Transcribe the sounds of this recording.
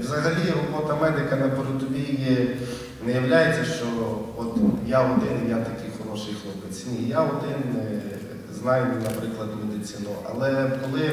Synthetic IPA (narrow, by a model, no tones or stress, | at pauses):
wzɐɦɐlʲiɾɔbɔt̪ɐmɛd̪ɪkɐnɐpɔɾʊt̪ʊbʲiji | nɛjɐwlʲajet͡sʲːɐʃt͡ʃɔɔt̪jaɔd̪ɪnmʲjat̪ɐkɪjxɔɾɔʃɪjxlˠɔpɪt͡sʲnʲijaɔd̪ɪn | znɑjmnɐpɾɪklˠɐd̪ʲɪmed̪ɪsʲɪnʊʔɐ̰lˠɛkɔlˠɪ